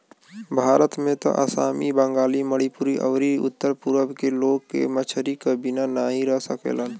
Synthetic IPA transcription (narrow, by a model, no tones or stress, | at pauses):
bʱaːɾət̪mẽt̪ɔ̰ʔə̰sa̰ːmibə̃ŋɡaːliməɽipuɾiʔə̰ʋɾiʊ̰t̪ːəɾpuɾʋəbkeloːɡ̚kḛmət͡ʃʰəɾikabinanaɦĩɾəɦsəkḛlən